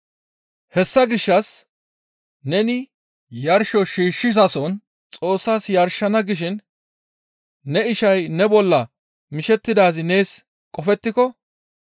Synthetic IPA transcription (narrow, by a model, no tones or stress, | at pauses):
hɛsːɐɡɪʃːɐs | nɛnɪ | jɐɾʃɔʃiːʃːɪzɐsɔn | t͡sʼo̞ːsːaːsjɐɾʃɐnɐɡɪʃɪn | ɛɪʃɐjnɛbɔlːɐ | mɪʃɛt̪ːɪd̪aːzɪne̞ːs | kʼɔfɛt̪ːɪkɔ